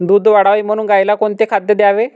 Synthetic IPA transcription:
d̪ud̪ʱːʋaɽaʋim̤əɽ̃uːnɡajlakoɳt̪ekʰad̪jəd̪jaʋe

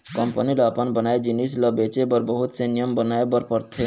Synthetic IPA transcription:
kɔmpənilɔapənbənaed͡ʒinislɔbet͡ʃebɔɾbɔɦut̪senijɔmbənaebɔɾpɔɾt̪ʰe

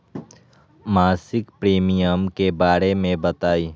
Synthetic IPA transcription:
maːsɪkpɾiːmijəmkebaːɾemẽbɐt̪aːiː

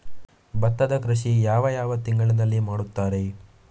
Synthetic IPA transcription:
bɐt̪ːɐd̪ɐkɾɐʃijaːʋɐjaːʋɐt̪iŋɡɐɭinɐlːimaːɽut̪ːaːɾe̞

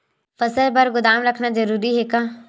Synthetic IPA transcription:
fɐsəlbɐɾɡʊd̪aːmɾɐkʰnad͡ʒɐɾuːɾiɦɛkaː

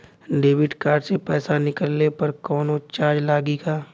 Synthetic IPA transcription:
ɖeːʋɪɖkaːɾɖsepɛːsanɪkəlnepɐɾkɔːnot͡ʃaːɾd͡ʒlaːɡiɡaː

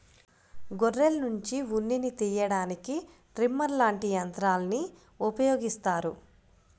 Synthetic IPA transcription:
ɡorːelnuɲt͡ʃiʋunːinit̪iːjɐɽaːniki | ɾimːɐɾlaːɳʈijɐnt̪ɾaːlɐni | upɐjo̞ːɡist̪aːɾṵ

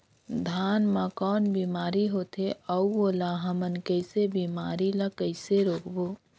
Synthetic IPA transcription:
d̪ʱaːnmakɔːnbiːmaːɾiɦoːt̪ʰeəuoːlaɦɐmənkəɪsebiːmaːɾilakəɪseɾoːkboː

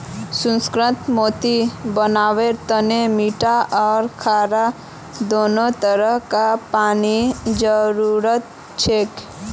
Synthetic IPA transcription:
sʊ̃nskɾə̃t̪moːt̪ibənaːʋeɾt̪ənemiːʈaʔɔːɾkʰaːɾa | d̪oːnõt̪əɾəɦkapaːnid͡ʒəɾuɾət̪̚ | t͡ʃʰeːk

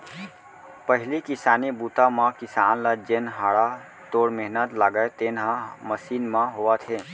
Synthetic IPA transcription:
pəɦɪlikɪsaːnibuːt̪amãkɪsaːnlad͡ʒenɦaːɽa | t̪oːɽmɛɦnət̪ləɡəet̪enɦãməsiːnmãɦoʋat̪ʰe

